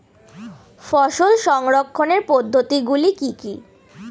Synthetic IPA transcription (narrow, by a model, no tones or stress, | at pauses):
fɔʃolʃɔŋɾokʰːoneɾpod̪ʱːot̪iɡulikiki